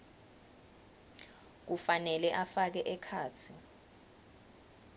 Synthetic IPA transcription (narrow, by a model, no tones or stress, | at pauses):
k̬ufanɛlɛʔafak̬ɛʔɛkʰaːt͡sʰi